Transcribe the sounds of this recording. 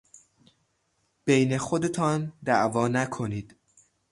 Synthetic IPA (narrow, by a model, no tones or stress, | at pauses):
b̥ejne̞xo̞d̪e̞t̪ʰɒːnd̪æʔvɒːnækʰo̞niːd̪̥